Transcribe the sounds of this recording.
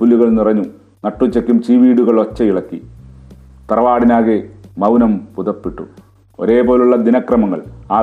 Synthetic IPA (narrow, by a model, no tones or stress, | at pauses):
pulːuɣɐɭnirɐɲːu | nɐʈːut͡ɕːɐkʲːumt͡ɕiːʋiːɽuɣɐɭot͡ɕːɐiɭɐkːi | t̪ɐrɐʋaːɽinaːɣemɐwnɐmpuðɐpːiʈːṵ | o̞̰ɾe̞ːpo̞ːluɭːɐd̪inɐkrɐmɐŋːɐ̰ɭaː